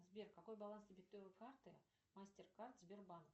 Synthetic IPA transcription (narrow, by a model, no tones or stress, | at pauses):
zbʲerkɐko̞jbɐlˠanst̪ɪbʲet̪ːøvɨkart̪ɨ | masʲtʲerkart̪zbʲerban